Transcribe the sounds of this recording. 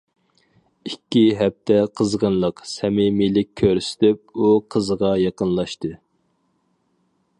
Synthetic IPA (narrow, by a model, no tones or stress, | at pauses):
ikʲːiɦɛp̚t̪ʰɛqʰəzʁənlˠəqsɛmimilɪk̚ʲkʲʰːøɾsɪ̥t̪ɪp̚uqʰəzʁɑjɑqənlˠɑʃt̪ɨ